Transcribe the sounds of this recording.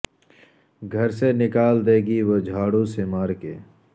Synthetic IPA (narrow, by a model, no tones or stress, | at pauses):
ɡʱəɾsenɪkaːld̪eːɡiʋod͡ʒʱaːɽũsemaːɾkḛː